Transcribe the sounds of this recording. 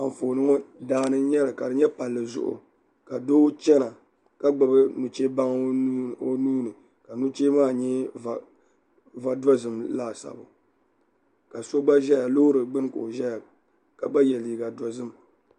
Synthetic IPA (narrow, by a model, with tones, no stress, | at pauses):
a˨ɱ˨foː˨nɨ˦ŋɔ˦daː˦nɨ˦ɲɛ˦lɨ˨ka˨dɨ˨ɲɛ˦pa˨lːɨ˨zʊ̰˦ʔʊ̰˨ | ka˨do˦t͡ʃɛ˦na˨ | ka˦ɡ͡bɨ˨bɨ˦nu˨t͡ʃe˦ba˦ŋ˦o˦nuː˦nɨ˨ | ka˨nu˦t͡ʃeː˦maː˦ɲɛ˦˨ | va˨dɔ˦zɨ˨mlaː˦˨sa̰˨bʊ̰˨ | ka˨so˦ɡ͡ba˦ʒɛ˦ja˨lo˦ɾɨ˨ɡ͡bɨ˦n˦ko̰˨ʒɛ˦ja˨ | ka˨ɡ͡ba˦jɛ˨liː˨ɡa˨dɔ˦zɨ˦m˨